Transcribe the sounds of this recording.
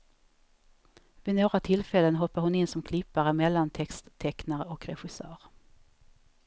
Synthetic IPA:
vɪnoːɡɾat̪ʰɪlfɛlːənɦɔpːaɾhʊnɪnːsɔmkʰlɪpːaɾəmɛlːant̪ʰɛkst̪ʰːɛknaɾəɔkɾɛɧɪsœːɾ

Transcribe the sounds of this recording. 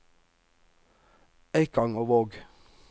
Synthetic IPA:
æɪkɑŋoːʋoːɡ

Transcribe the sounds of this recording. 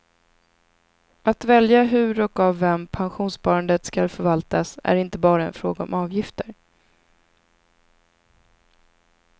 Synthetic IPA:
at̪vɛljaɦɵɾɔkavːɛmpʰanɧuːnspɑːɾand̪ət̪skalfœɾvalt̪asæ̰ɾɪnt̪əbɑːɾaɛ̰nfɾoːɡaɔ̰mɑːvjɪft̪əɾ

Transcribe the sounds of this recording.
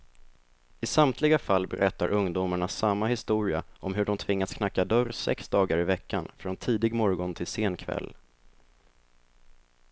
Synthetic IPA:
ɪsamt̪ʰlɪɡafalːbɛ̰ɾʔɛt̪ːaɾʔɵŋd̪uːmaɳasamːahɪst̪uːɾɪa̰ʔɔmɦɵɖɔmt̪ʰvɪŋːaskʰnakːad̪œɾsɛ̰ksd̪ɑːɡaɾɪvɛkːanfɾɔnt̪ʰiːd̪ɪɡmɔɾɡɔnt̪ʰɪlseːnkʰvɛ̰lː

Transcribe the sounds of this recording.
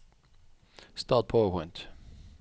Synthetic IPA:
st̪ɑːˑt̚pʰɔpʰɔ̃ɪ̃nt̪

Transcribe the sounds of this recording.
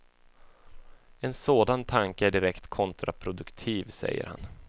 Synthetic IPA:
ɛnsoːd̪ant̪ʰaŋkəæɖɪɾɛkt̪kʰɔnt̪ɾʔapʰɾʊd̪ɵkt̪ʰiːvsɛ̰jːə̰ɾha̰n

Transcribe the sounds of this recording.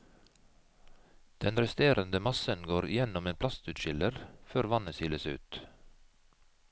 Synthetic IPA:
d̪̥ɛnɾɛst̪eːɾənd̪əmɑsənɡoːɾɪ̰jɛnɔmeːnpʰlɑst̪ʉːt̪ʃɪləɾføːɾʋɑnəsɪləsʉ̰ːt̪

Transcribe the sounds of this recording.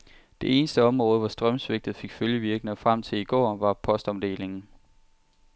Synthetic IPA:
d̥e̝e̝ːnəsd̥əɒ̽mʁɔ̽ːð̞̩ˠʋɒsd̥ʁɶmsʋe̝ɡ̥̚d̥ð̞̩ˠfe̝ɡ̥føljəʋiɐɡ̥nəfʁam̰t͡sʰe̝iɡ̥ɒ̰ːʋɑ̈pʰɒ̽sd̥ɒ̽md̥e̝̰ːle̝ŋn̩

